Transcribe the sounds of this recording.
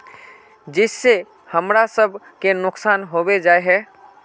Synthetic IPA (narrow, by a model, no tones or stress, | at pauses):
d͡ʒɪsːe | həmɾasəb̚ʱ | kenʊksaːnɦobed͡ʒaːeɦɛ